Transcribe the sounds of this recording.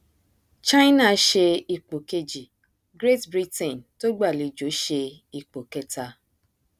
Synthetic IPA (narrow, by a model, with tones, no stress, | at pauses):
t͡ʃa˦jna˦˨˦ʃe˧i˧k͡po˨ke˦d͡ʒi˨ | ɡɾe˦tbɾi˦tɛ̃˨nto˦ɡ͡ba˦˨li˨˧d͡ʒo˨˦ʃe˧ | i˧k͡po˨kɛ˦ta˧